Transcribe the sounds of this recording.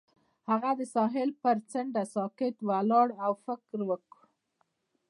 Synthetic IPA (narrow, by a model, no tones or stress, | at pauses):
haɣad̪əsɑɦɪlpəɾt͡səɳɖasɑkɪt̪walɑɽawfɪkɾwəku